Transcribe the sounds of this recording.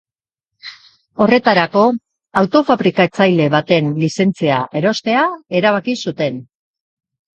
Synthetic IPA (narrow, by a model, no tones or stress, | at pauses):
o̞re̞t̪aɾako̞ | awt̪o̞faβɾikaet͡sajle̞βat̪e̞nlise̞nt͡siaʔe̞ɾo̞st̪e̞ae̞ɾaβ̞akisut̪e̞n